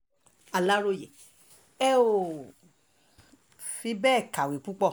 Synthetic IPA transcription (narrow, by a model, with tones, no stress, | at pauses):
a˧la˦ɾo˦˨jɛ˨ | ɛ˦o˨ | fĩ˧bɛ˦˨ka˨wi˨k͡pu˦k͡pɔ˦˨